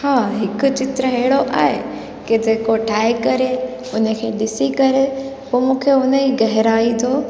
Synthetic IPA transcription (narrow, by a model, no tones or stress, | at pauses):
haːɦɪkʊ̆t͡ɕɪt̪ɾəɦeɦɪɽoʔa̰ːɦe | kɪd͡ʑeːkoʈʰaːekɐɾe | ʊnəkʰeːɗɪsikɐɾepoːmũːkʰeʊnəiɡɐɦɪɾaːit̪ʰoː